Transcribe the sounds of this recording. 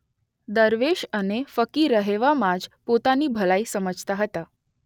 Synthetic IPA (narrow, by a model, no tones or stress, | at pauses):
d̪əɾʋeɕənefəkiːɾəɦeʋamad͡zpot̪aniːbʱəlaiːsəməd͡zʱt̪aɦət̪a